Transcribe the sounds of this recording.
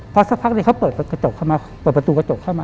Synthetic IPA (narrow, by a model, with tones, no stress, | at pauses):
pʰɔ˧sa˦˥pʰa˦˥k̚niː˧˩kʰa˦˥wpɤː˨˩t̪̚ka˧t͡ɕo˨˩kʰa˥˩wmaː˧pəː˨˩t̪̚bɾt̪uː˧ka˧t͡ɕo˨˩kʰːa˥˩wmaː˧